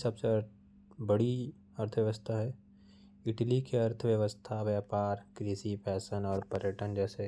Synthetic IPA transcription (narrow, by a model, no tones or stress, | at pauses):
sɐbse | bɐɽi | əɾt̪ʰəʋjəʋəst̪ʰaɦɛː | ɪʈlikeɐɾt̪ʰəʋjɐʋəst̪ʰaʋjəːpaːɾkɾiːsipʰɛːsənɔːɾpəɾjəʈənd͡ʒɛːse